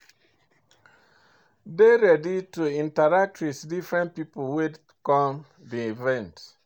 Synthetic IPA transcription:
deɾɛdituĩntadak̚tɹisdifɹɛ̃n̚piplwed | kɔ̃m | diivɛ̃nt

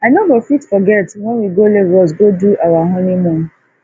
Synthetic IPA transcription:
aɪnobofitfɔɡɛtwɛ̃nwiɡoleɹɔs̬ɡoduʔawaɦɔ̃nĩmɔ̃n

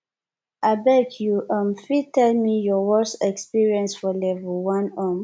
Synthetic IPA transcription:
ʔabɛkʰjuʔãmfitɛlmijɔwɔsɛkspiɹiɛ̃nsfɔlɛvəlwãnɔ̃m

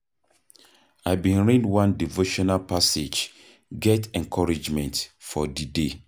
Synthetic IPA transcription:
aɪbĩnɹĩdwãndivoʃɔnalpased͡ʒ | ɡɛtɛ̃nkʰɔɹid͡ʒmɛ̃ntfɔdide

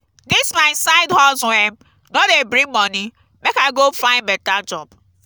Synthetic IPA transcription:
dɪsmaɪsaɪdɦɔlzʊɛm | nɔdebɾĩmɔni | mekaɪɡofãɪ̃nbɛtad͡ʒɔb

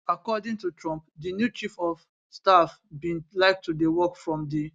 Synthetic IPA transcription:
akɔdĩŋtutɹɔ̃mpdinjut͡ʃifɔf | stafbĩnlaɪk̚tudewɔkfɹɔ̃mdi

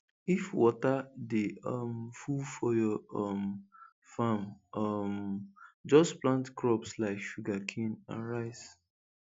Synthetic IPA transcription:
ifwɔtadeɔmfufɔjɔɔm | famɔm | d͡ʒɔsplãntkɹɔpslaɪkʃuɡakʰĩnã̰nɹaɪs

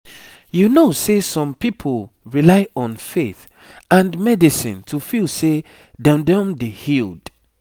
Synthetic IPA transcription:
junosesɔ̃mpipʰolɹilaɪʔɔ̃nfeθ | ãnmɛdisḭ̃ntʰufilse | dãndãmdehild̥

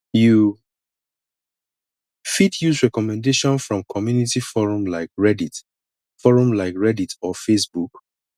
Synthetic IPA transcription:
ju | fitʰjusɹɛkɔmɛ̃ndeʃɔ̃nsfɹɔ̃mkʰɔmjunitifɔɹɔ̃mlaɪkɹɛdit | fɔɹɔ̃mlaɪkɹɛditɔfesbuk

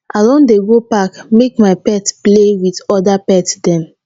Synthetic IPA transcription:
alɔ̃ndeɡopakmek̚maɪpɛtplewitɔdapɛtsdɛ̃n

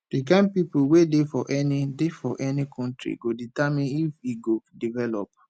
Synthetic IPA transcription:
d̥ik̬ãɪ̃npipowedefɔʔɛnidefɔʔɛnikʰɔ̃ntɹḭɡoditamĩnifiɡodivɛlɔ̰p̚

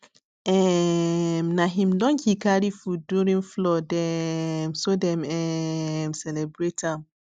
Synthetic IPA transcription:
ɛ | mnaɦĩmdɔ̃nkikaɾifuduɾĩnflɔdɛmsodɛ̃mɛmsɛlɛbɾetʰam

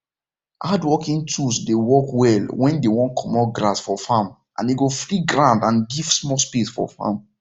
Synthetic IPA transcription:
ʔadwɔkĩntʰusdewɔkwɛlwɛ̃ndewɔ̃nkʰɔmɔɡɾasfɔfam | ʔã̰ndeɡofɾiɡɹãndãnɡiv̥smɔspisfɔ̰fã̰m

